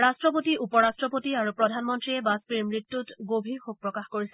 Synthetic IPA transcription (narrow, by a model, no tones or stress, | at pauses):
ɹastɹɔp̬otiʔupɔɹastɹɔpotiaɹupɹɔdʱanmɔntɹiɛbaspɹiɹmɹitːutɡobʱiɹxok̚pɹɔkaxkoɹisɛ